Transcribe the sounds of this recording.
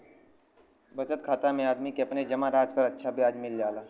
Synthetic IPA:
bət͡ʃət̪kʰaːt̪amẽaːd̪mikeɐpned͡ʒɐmaɾaːd͡ʒpəɾətːʃʰabʱjaːd͡ʒmɪld͡ʒaːlaː

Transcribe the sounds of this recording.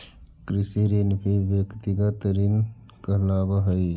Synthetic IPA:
kɾisiɾinpʰibjəkt̪iɡət̪ɾin | kəɦlabəɦəj

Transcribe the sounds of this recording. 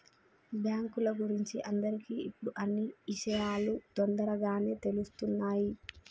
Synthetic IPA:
bjaːŋkulɐɡuɾiɲt͡ʃiʔɐnd̪ɐɾikiːipːuɽuʔɐnːiiʃɐjaːlut̪ond̪ɐɾɐɡaːneːt̪e̞lust̪unːaːji

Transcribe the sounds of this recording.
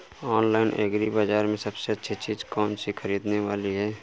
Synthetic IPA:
ɔːnlaːɪnʔeːɡɾibaːd͡ʒaːɾmẽsɐbseɐtːʃʰit͡ʃiːd͡ʒkɔːnsixʰɐɾiːd̪neʋaːliɦɛː

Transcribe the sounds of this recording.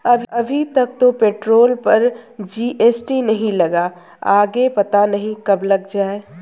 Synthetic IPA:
ɐbɐbʱit̪ɐk̚t̪opeːʈɾoːlpɐɾd͡ʒiːʔeːsʈinɐɦĩlɐɡa | aːɡepɐt̪anɐɦĩkɐblɐɡd͡ʒaːe

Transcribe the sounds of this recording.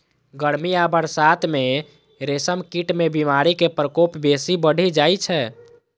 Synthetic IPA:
ɡəɾmiabəɽsat̪ʰme | ɾesəmkiʈmebimaɾikepɾəkopbesibəɽ̤ʱid͡ʒajt͡ʃʰɛ

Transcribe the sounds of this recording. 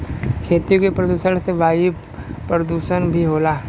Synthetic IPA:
kʰeːt̪ijõkepɾəd̪uːʃəɽ̃seʋaːi | pɾəd̪uːʃənbʱiɦoːlaː

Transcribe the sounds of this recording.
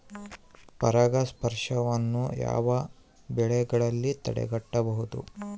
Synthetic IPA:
pɐɾɐɡɐspɐɾʂɐʋɐnːuja̰ːʋɐ | bɛɭɛɡɐɭɐlːit̪ɐ̰ɽɛ̰ɡɐʈːɐbɐɦud̪ṵ

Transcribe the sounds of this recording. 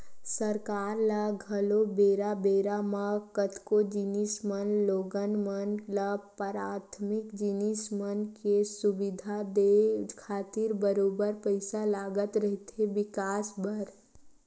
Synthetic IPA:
səɾkaːɾlaɡʱəlobeːɾabeɾamakət̪kod͡ʒinismənloːɡənmənləpɾaːt̪ʰmɪkd͡ʒinismənkesubɪd̪ʱad̪ekʰaːt̪ɪɾbəɾoːbəɾpəɪsalaːɡət̪ɾəɦit̪eʋɪkaːsbʱəɾ

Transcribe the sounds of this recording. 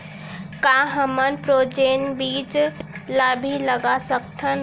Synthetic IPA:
kaɦəmənpɾoːd͡ʒeːnbiːt͡ʃlabʱiləɡasəkt̪ʰən

